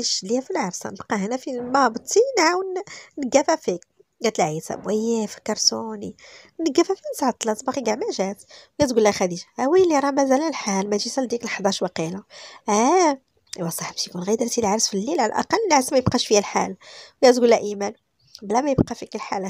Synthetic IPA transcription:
iʃliæfilʕɑɾsɑ̰nəbqɑhænæfimɑbt̪ːinʕawənnəɡːæfæfik̚ | ɡæt̪əlʕisæ̰bwæjːæfi̥kːɑɾˤsuninəɡːæfæfinəsʕɑt̪ˤːlɑt̪ˤbɑxiɡaʕmæʒæt̪wɡæt̪ɡulːæxæd̪iʒahæwæjlːiɾˤɑmæzæləlħalmæʒisæld̪iklħd̪ˤɑʃwɑqilaʔæ | ʔwæsˤɑħbʃijkunɣæjd̪ɾt̪ilʕɾəsfilːilʕalæ̰ʔɑ̰qɑlːnəʕɾəsmæjəbqɑʃfiælħa̰lwɡæt̪ɡulːæʔimæn | blæmæjəbqɑfikəlħalæ

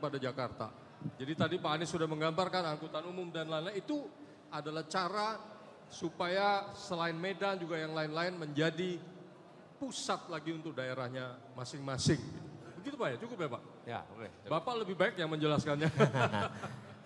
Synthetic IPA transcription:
padad͡ʒakart̪a̰ | d͡ʒadit̪adipaːnɪsudahməŋɡambarkanaŋkut̪anumʊmdanlanait̪u | adalaht͡ʃaɾa | supajasəlaɪnmedand͡ʒuɡajaŋlaɪnlaɪnməɲd͡ʒadi | pusat̪̚laɡiunt̪ʊk̚daeɾahɲa | masɪŋmasɪŋɡit̪ubəɡit̪ubajat͡ʃukʊpjapaʔ | ja̰kebapaləbɪhbaɪkjaŋməɲd͡ʒəlaskanɲa

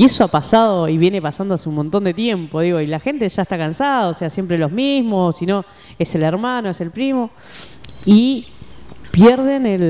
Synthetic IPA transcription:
esoapasaðoiβje̞ne̞pasand̪oaseunmont̪o̞nd̪et̪jempo̞ðiɣo̞ilaxe̞nt̪e̞ʒaest̪akansaðooːse̞asjempɾeloɦmizmosino̞ | eseleɾmano̞ese̞lpɾimo̞ | i | pjeɾðe̞nel

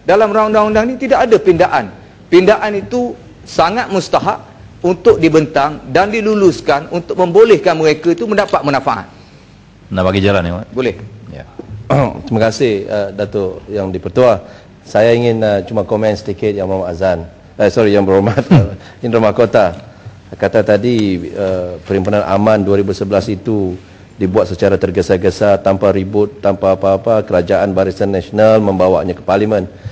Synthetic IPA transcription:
dalamunaŋundaŋundaŋnit̪idaʔadapindaʔan | pindaʔanit̪u | saŋat̪̚must̪aɦaʔ̚ | unt̪ʊk̚dibənt̪aŋdandiluluskanunt̪ʊk̚mə̃mbolɛhkanməɾekait̪uməndapat̪̚mənãfaʔa̰t̪̚ | ənabaɡid͡ʒalaniwabolɛhja̰ | t̪ɾimakasɪhədat̪ojaŋdipərt̪ua | sajaiŋɪnət͡ʃumakomɛ̃nsət̪ikɪt̪̚jaŋmamaazan | asɔɾijaŋbəɾomat̪̚ə | inrumahkot̪a | kat̪at̪adiəpəɾimpunanʔa̰manduaɾibusəbəlasit̪u | dibuwat̪̚sət͡ʃaɾat̪ərɡəsaɡəsat̪ampaɾibʊt̪ːampaːpaːpakəɾad͡ʒaʔanbaɾisanːasonalmə̃mbawa̰ʔɲakə̥palimən

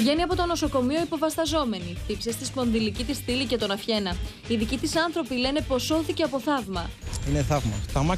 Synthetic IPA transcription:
ʝe̞niɐpo̞t̪o̞no̞so̞ko̞mio̞ipo̞vɐst̪ɐzo̞me̞niθipsest̪isko̞nðilicit̪isθilice̞t̪o̞nɐfçe̞nɐ | iðicit̪isɐnθɾo̞pile̞ne̞po̞sːo̞θice̞ɐpo̞θɐvmɐineθɐvmɐ̰θɐmɐ

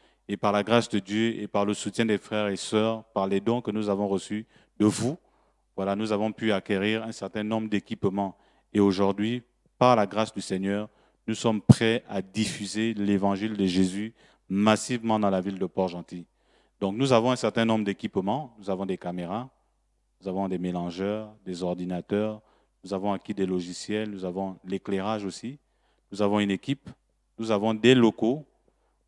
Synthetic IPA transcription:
epaʁlaɡʁasd̪əd̪jøḛpaʁləsut̪jɛ̃d̪efχɛʁesœʁpaʁlɛd̪ɔ̃kənuzavɔ̃ʁəsy | d̪əvu | vwalanuzavɔ̃pyakʲeʁiʁɛ̃sɛʁt̪ɛ̃nɔ̃bʁəd̪ekʲipmɑ̃ | eoʒuʁd̪ɥi | paʁlaɡʁasd̪ysɛɲœːʁ | nusɔmpχɛad̪ifyzelevɑ̃ʒild̪əʒezy | masivmɑ̃d̪ɑ̃lavild̪əpɔʁʒɑ̃t̪i | d̪̥ɔ̃knuzavɔ̃ɛ̃sɛʁt̪ɛ̃nɔ̃bʁəd̪ekʲipmɑ̃nuzavɔ̃d̪ekameʁa | nuzavɔ̃d̪emelɑ̃ʒœːʁd̪ezɔʁd̪inat̪œːʁ | nuzavɔ̃akʲid̪elɔʒisjɛlnuzavɔ̃lekleʁaʒosi | nuzavɔ̃ynekʲip | nuzavɔ̃d̪elɔko

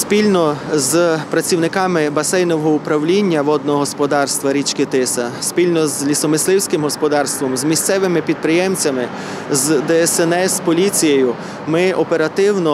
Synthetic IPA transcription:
spʲilʲnɔzpɾɐt͡sʲiwnɪkɑmɪbɐsɛjnɔɦɔʊpɾɐwlʲinʲːɐʋɔd̪̚nɔɦɔspɔd̪ɑrst̪ʋɐɾʲit͡ʃkɪt̪ɪsɐspʲilʲnɔzlʲisɔmɪslˠɪwsʲkɪmɦɔspɔd̪ɑrst̪ʋɔmzmʲist̪sɛʋɪmɪpʲid̪̚pɾɪjɛmt͡sʲɐmɪ | zd̪ɛɛsɛnɛspɔlʲit͡sʲijejʊ | mɪʔɔpeɾɐt̪ɪwnɔ

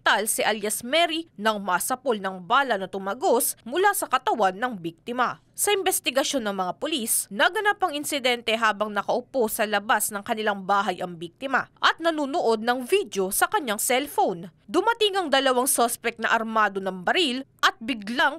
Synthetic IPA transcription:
t̪alsɪʔɐljɐsmɛɾinɐŋmɐʔɐsɐpolnɐŋbaːlɐnɐt̪ʊmɐɡosmʊlasɐkɐt̪ɐwanːɐŋbik̚t̪ɪmɐ | sɐʔɪmbɛst̪ɪɡɐʃo̞nːɐŋmɐŋapʊlisnɐɡɐnapɐŋɪnsɪd̪ɛnt̪ɛɦaːbɐŋnɐkɐʔʊposɐlɐbasnɐŋkɐnɪlaŋbaːɦɐjʔɐŋbik̚t̪ɪmɐ̰ʔɐt̪̚nɐnuːnoʔo̞d̪̚nɐŋvid̪jo̞sɐkɐɲːaŋsɛlfownd̪ʊmɐt̪iŋɐŋd̪ɐlɐwaŋsospɛk̚t̪nɐ̰ʔɐɾmaːd̪o̞nɐŋbɐɾilʔɐt̪̚bɪɡlaŋ

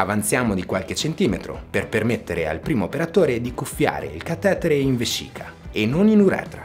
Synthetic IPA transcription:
avant̪sjaːmod̪ikwalket͡ʃent̪iːmet̪ɾo̰perpermet̪ːeɾea̰lpɾiːmoːpeɾat̪oːɾed̪ikufːja̰ːɾḛilkat̪ːɛːt̪eɾeiɱvesːḭːkʰa | enːoninuɾɛ̰ːt̪ɾa

